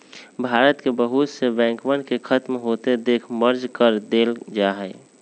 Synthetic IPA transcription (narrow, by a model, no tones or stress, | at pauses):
bʱaɾət̪kebəɦut̪sebɛ̃ːŋkmənɖkekʰət̪mɦot̪ed̪eːkʰməɾd͡ʒkəɾd̪eld͡ʒaɦɛɪ